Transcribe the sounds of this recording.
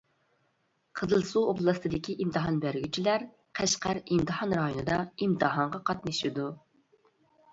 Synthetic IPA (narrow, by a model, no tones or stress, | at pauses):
qʰəzɨlˠsuoblˠɑst̪ʰɨd̪ɪkʲʰiʔimt̪ʰɨɦɑnbæɾɡʲyt͡ʃʰilæɾ | qʰæʃqæɾimt̪ʰɨhɑnɾɑjonɨd̪ɑimt̪ʰɨɦɑɴʁɑqʰɑt̪nɨʃid̪u